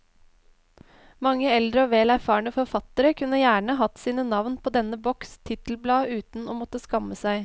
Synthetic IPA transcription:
mɑŋːəɛld̪ɾəoːʋeːlæɾfɑːəɳəfɔɾfɑt̪əɾəkʰʉnːəjæːɳəɦɑt̪siːnənɑʋnpʰoːd̪ɛnəbɔkst̪ʰɪt̪əl̩blɑːʉːt̪n̩oːmɔt̪ːəskɑməsæɪ

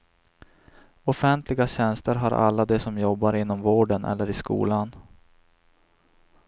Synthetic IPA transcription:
ɔfɛnt̪ʰlɪɡaɕɛnst̪əɾɦaɾʔa̰lːad̪ɛsɔmjɔbːaɾɪnːɔmvoːɖənʔɛ̰lːəɾɪskṵːlan

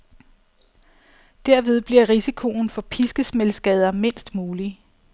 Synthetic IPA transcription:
d̥æɐ̰ʋe̝ð̞ˠb̥liɐʁisikʰo̝n̩fɒ̽pʰisɡ̥əsmelsɡ̥ɛð̞ˠɐme̝n̰sd̥muːli

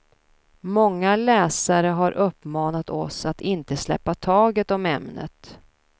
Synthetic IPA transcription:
mɔŋːalɛːsaɾəɦaɾʔɵpːmɑːnat̪ɔ̰sat̪ɪnt̪əslɛ̰pːat̪ʰɑːɡət̪ɔmɛmnə̰t̪

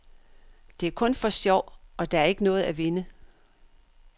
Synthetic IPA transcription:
d̥e̝æɐkʰɔ̽nfɒ̽sjɒʊ̰ɒ̽d̥ɑ̈æɐe̝ɡ̥ənɔ̽ːð̩ˠæʋe̝nə

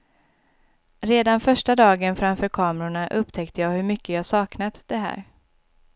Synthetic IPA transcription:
ɾeːd̪anfœʂʈad̪ɑːɡənfɾamfœːɾkʰɑːmɛɾʊɳaʔɵpt̪ʰɛkt̪ʰəjɑːhɵɾmʏkːəjɑhasɑːknat̪d̪ɛɦæ̰ːɾ

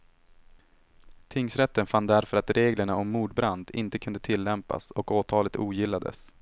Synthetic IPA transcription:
t̪ʰɪŋsɾɛt̪ːənfanːd̪æɾfœɾat̪ɾʔeːɡləɳaʔɔmːuːɖbɾand̪ɪ̰nt̪əkʰɵnd̪ət̪ʰɪlːɛmpa̰sɔkoːt̪ʰɑːlət̪uːjɪlːad̪ə̰s

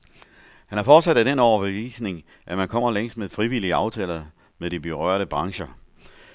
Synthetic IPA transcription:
hænhæɐfɒːd̥sæd̥æd̥enɒʊɐb̥eʋḭːsne̝ŋ | ʔæmænkʰɒ̽m̰ɐleŋ̰sd̥meðˠfʁiʋiliəɑ̈ʊt͡sʰɛ̰ːlð | meðˠdib̥eʁɶɐ̰ɾ̥əb̥ʁɑ̈ŋɕɐ

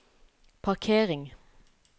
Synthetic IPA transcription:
pʰɑʁkʰeːʁɪŋ

